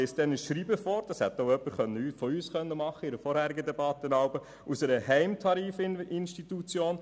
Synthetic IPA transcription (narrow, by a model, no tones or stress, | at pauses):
ɪstd̪ɛnəsʃɾiːbəfɔːɾd̥ɑshɛt̪ːoʊœpːəɾχœnːəyːfɔyːsχœnːəmɑχːəɪɾəfɔɾhæːɾiɡədɛbɑt̪ːənɑʊbə | ʔusɛɾəɦɛɪmtʰɑɾiːfɪnʃtit̪ut͡sjoːn